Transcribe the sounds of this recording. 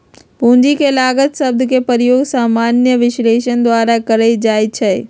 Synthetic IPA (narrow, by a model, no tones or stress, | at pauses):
pũːɲd͡ʑikʰelaːɡət̪sɐb̚d̪kepɐɾjoːɡsaːmaːnjəʋɪʃleːʃənd̪waːɾakɐɾəid͡ʑaːit͡ɕʰɐe